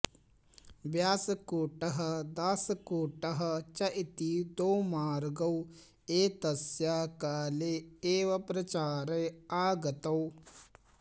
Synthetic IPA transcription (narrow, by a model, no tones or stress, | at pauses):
ʋjaːsɐkuːʈɐɦɐ̆d̪aːsɐkuːʈɐɦɐ̆t͡ʃɐʔit̪iːd̪oːmaːɾɡɐw | eːt̪ɐsjaːkaːleːeːʋɐpɾɐt͡ʃaːɾɐjaːɡɐt̪ɐw